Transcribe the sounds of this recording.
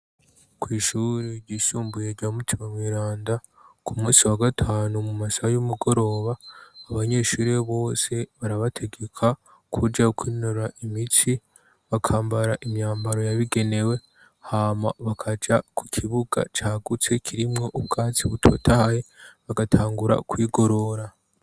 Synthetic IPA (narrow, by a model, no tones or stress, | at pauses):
kwiːʃuɾeɾɟiːsuːmbuje̞ɾɟamutʰimamwiːɾaːnda | kʰumuːsiwaɡatʰaːnumumasaajumuɡo̞ɾo̞ːβaːβaɲe̞ːʃuːɾe̞βo̞ːse̞βaɾaβatʰe̞ɡe̞kʰa | kʰuɾd͡ʒakwiːnoɾaʔimit͡si | βakʰaːmbaɾaʔimɲaːmbaɾo̞jaβiɡe̞ne̞we̞ | haːma̰βakʰad͡ʒaku̥kʰiβuɡa̰t͡ʃaːɡut͡se̞kʰiɾimŋo̞ʔuβ̚ɡaːt͡siβutʰo̞̰tʰaajeβaɡatʰaːŋɡuɾa̰kwiːɡo̞ɾo̞ɾa